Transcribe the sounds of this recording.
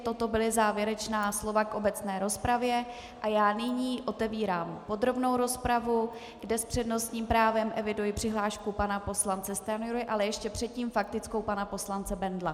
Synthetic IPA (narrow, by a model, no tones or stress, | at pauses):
t̪o̞t̪o̞bɪlɪzaːvjɛɾɛt͡ʃnaːslo̞vakʔo̞bɛt͡snɛːɾo̞spɾavjɛ | ʔajaːnɪɲiːʔo̞t̪ɛviːɾaːmpo̞d̪ɾo̞bno̞wɾo̞spɾavu | ɡdɛspr̝̥ɛdno̞st̪ɲiːmpɾaːvɛmʔɛvɪdujɪpr̥ɪɦlaːʃkupanapo̞slant͡sɛst̪ɛanjoɾoɪʔalɛjɛʃcɛpr̥ɛt̪ciːmfak̚t̪ɪt͡sko̞wpanapo̞slant͡sɛbɛndla